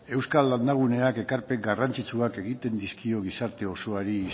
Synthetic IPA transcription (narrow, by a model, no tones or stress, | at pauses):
e̞wskalːand̪aɣ̞une̞ake̞kaɾpe̞ɡarant͡sit͡suake̞ɣit̪e̞nd̪iskio̞ɣ̞isaɾt̪e̞o̞soaɾi